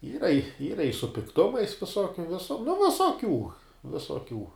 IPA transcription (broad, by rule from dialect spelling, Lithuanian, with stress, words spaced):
ˈiːrɐ ˈiːrɐ ɪ sʊ pʲɪkˈtʊmɐɪs ʋʲɪˈsoːkʲʊ ˈʋʲɪsʊ nʊ ʋʲɪsoːˈkʲuː ʋʲɪsoːˈkʲuː